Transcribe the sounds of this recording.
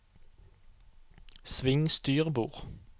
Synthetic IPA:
sʋɪŋst̪yːʁbuːʁ

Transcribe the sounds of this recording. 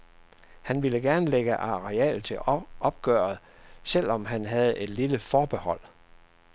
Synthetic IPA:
hænʋiləɡ̥æɐnəleɡ̥əʔɑ̈ʁeɛ̰ːlt͡sʰe̝ʔɒ̽b̥̚ɡ̥œ̰ːɐð̩ˠsel̰ɒ̽mɦænɦæð̞̩ˠe̝d̥liləfɒːb̥e̝hɒ̽l̰

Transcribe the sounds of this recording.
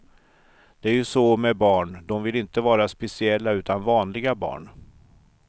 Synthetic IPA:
d̪̥ɛæɾjɵsɔmɛbɑːɳd̪ɔmvɪlɪnt̪əvɑːɾaspɛsɪɛlːaʉ̟ːt̪anvɑːnlɪɡabɑ̰ːɳ

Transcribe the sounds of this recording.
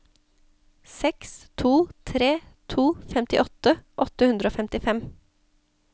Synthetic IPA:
sɛkst̪ʰuːt̪ʰɾeːt̪ʰuːfɛmt̪ɪʔɔt̪əʔɔt̪əhʉnd̪ɾəoːfɛmt̪ɪfɛm

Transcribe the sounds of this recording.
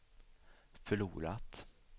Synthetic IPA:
fœɭuːɾat̪

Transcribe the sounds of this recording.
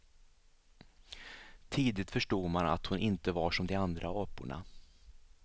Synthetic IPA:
t̪ʰiːd̪ɪt̪fœʂʈuːɡ̪mana̰t̪hʊnʔɪnt̪əvaʂɔmd̪ɛand̪ɾʔaɔpːʊ̰ɳa̰

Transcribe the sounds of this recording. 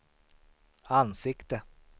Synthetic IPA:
ansɪkt̪ə

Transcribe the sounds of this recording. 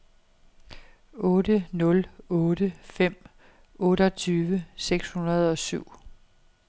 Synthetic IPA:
ɔ̽ːdənɔ̽lɔ̽ːɾ̥əfem̰ | ɔ̽ːɾɒ̽t͡sʰyːʋəseɡ̥shunɐð̞̩ˠɒ̽syʊ̰

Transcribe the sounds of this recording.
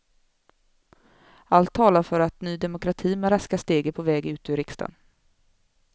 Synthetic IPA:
alt̪ʰːɑːlaɾfœɾat̪nyːd̪ɛmʊkɾat̪ʰiːmɛɾaskast̪eːɡəpʰɔvɛːɡʉ̟ːt̪ʉɾɪkst̪a̰n

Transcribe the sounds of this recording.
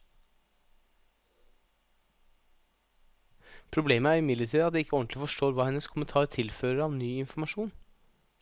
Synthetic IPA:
pʰɾʊbleːməæːɾɪmɪd̪lət̪ʰiːd̪ɑt̪̚d̪ɛːɪkːəɔnt̪lɪfɔʃʈoːɾʋɑːhɛnəskʰʊmət̪ʰɑːɾt̪ʰɪlføːɾəɾɑːʋnyːɪnfɔmɑʃuːn

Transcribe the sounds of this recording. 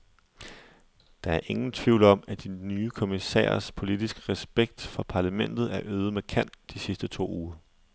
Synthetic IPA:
d̥ɑ̈æɐʔe̝ŋn̩t͡sʰʋiʊlɒ̽m̰æd̥inyːkʰo̝misɛ̰ːɐspʰo̝lid̥isɡ̥ʁɛsb̥eɡ̥̚d̥fɒ̽pʰɑ̈ːlæmen̰d̥ð̞̩ˠæɐʔøːð̞̩ˠmekʰæn̰d̥isisd̥ət͡sʰo̝̰ːuːɐ

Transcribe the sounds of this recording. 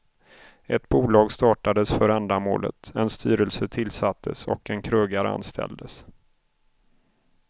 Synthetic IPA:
ɛt̪buːlɑːɡst̪ɑːʈad̪əsfœɾand̪amo̰ːlə̰t̪ɛnst̪ʰy̰ːɾəlsət̪ʰɪlsat̪ʰːəsɔ̰kɛnkʰɾɵɡaɾa̰nst̪ʰɛ̰ld̪əs

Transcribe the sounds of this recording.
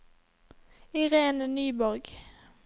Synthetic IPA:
ɪʁeːnənyːbɔʁɡ

